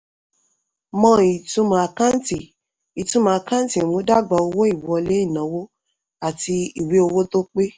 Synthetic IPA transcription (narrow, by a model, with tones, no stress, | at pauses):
mɔ̃˧˦i˨tũ˧˦mã˨a˨˧kã˦n˦ti˨ | i˨tũ˧˦mã˨a˧kã˦ti˨mũ˨˦da˦˨ɡ͡ba˧˨o˧wo˦i˦˨wɔ˧le˨˦i˦˨nã˨˦wo˦ | a˨ti˧i˦˨we˨˦o˧wo˦to˦k͡pe˦